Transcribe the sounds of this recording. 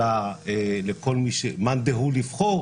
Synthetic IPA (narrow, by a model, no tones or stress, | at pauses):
aelekʰolmiʃemand̪eɦulivχo